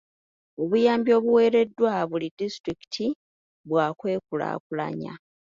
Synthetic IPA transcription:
o̞βujaːmbio̞ːβuwe̞ːɾe̞dːwaβulidistɾiki̥tʰi | βwaːkwe̞ːkula̰ːkula̰ɲa̰

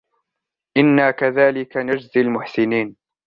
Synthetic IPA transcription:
ʔɪnːaːkaðaːlɪkanad͡ʒzɪlmʊħsɪniːn

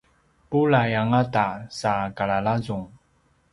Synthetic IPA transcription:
pulajaŋatasakaɭalazuŋ

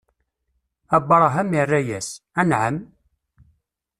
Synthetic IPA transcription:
æbɑɾˤɑɦæmirːæjæsænʕəm

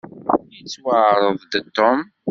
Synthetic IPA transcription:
jit͡sːwəʕɾˤəðˤd̪ət̪ːom

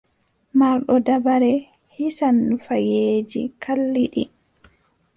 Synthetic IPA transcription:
maɾɗɔdabaɾɛ | hisanːufajeːd͡ʒḭkʰalːiɗi

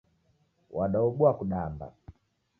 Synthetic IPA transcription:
waɗaɔɓuakuɗamba̰

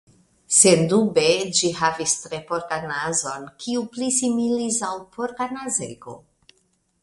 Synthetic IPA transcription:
se̞ndube̞d͡ʒiɦavistɾe̞poɾkanazo̞nkʰiuplisimilisawpʰoɾkanazḛɡo̞̰

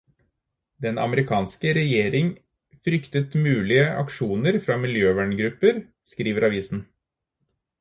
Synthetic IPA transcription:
d̪ɛnɑ̰məɾɪkʰɑːnskəɾɛjeːɾɪŋ | fɾʏkt̪ət̪mʉːlɪəʔɑ̰kʂuːnəɾfɾɑmɪljøːʋæːɳɡɾʉpːəɾ | skɾiːʋəɾʔɑʋiːsn̩

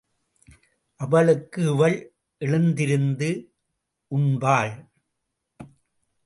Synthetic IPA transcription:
ʔɐʋɐɭɯkːɯɪʋɐɭ | ʔɛɭɯnd̪ɪɾɯnd̪ɯ | ʔʊnbaːɭ

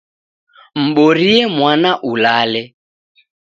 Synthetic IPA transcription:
m̩ɓɔɾiɛmwanaʔulalɛ

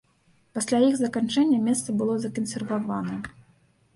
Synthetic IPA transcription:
pasʲlʲajiɣzɐkant͡ʂɛnʲːɐmʲɛst̪sɐbɨlˠɔzɐkɐnsʲɛrvavanɐ

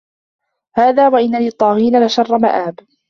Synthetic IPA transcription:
haːðaːwaʔɪnːaliːt̪ˤːɑːɣiːnalɪʃɑrˤːɑma̰ʔaːb

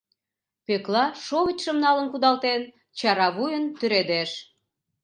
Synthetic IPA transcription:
peklɑʃoβət͡ɕʃəmnɑlənkud̪ɑlt̪en | t͡ɕɑɾɑβujənt̪yɾed̪eʃ

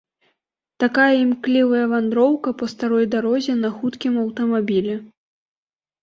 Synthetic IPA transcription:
t̪akajɐimklʲivɐjɐvand̪ɾɔwkɐpɐst̪aɾɔjd̪aɾɔzʲɛnɐxut̪kʲimɐwt̪ɐmabʲilʲɛ

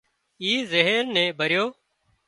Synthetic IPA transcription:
iːzeɦəɾnɛ̃ːbʱəɾjoː

